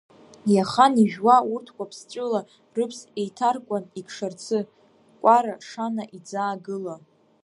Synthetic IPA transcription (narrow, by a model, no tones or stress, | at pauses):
jaχaniʒᶣwaurtʰkʷʰʼapʰst͡ʃʷʼɪla | rɨpʰsejtʰarkʷʼanikʰʂart͡sʰɨ | kʷʼaɾaʂanaʔid͡zaːɡɨla